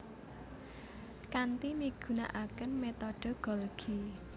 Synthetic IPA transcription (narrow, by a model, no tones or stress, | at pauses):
kant̪imiɡ̥ṳna̰ʔakənmet̪ɔɖ̥o̤ɡ̥ɔ̤lɡ̥ʰi